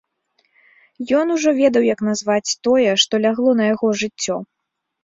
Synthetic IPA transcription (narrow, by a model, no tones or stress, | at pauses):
jɔnuʐɔvʲɛd̪ɐwjɐkn̪azvat͡sʲt̪ɔjɛʂt̪ɔlʲaɣlˠɔnɐjaɣɔʐɨt͡sʲːɔ